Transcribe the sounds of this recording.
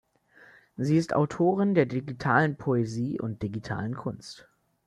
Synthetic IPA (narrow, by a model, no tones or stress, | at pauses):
ziːɪstʔa̰ʊtʰoːʁ̞ɪndeːɐdiɡitʰa̰ːlənpʰoeziːʔʊ̰nt̚d̥iɡitʰa̰ːlənkʰʊnst